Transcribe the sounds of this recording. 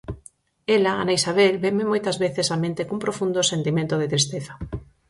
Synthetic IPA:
elaa̰naisaβelbemɪmojt̪ɐzβeθesamẽnt̪ekumpɾofund̪osent̪imẽnt̪oðɪt̪ɾist̪eθa

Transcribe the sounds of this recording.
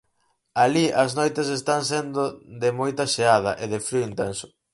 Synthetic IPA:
aliʔɐznojt̪es̬est̪aŋsɛnd̪od̪ɪmojt̪ɐʃeað̞ɐʔeðɪfɾiint̪ɛnsʊ̥

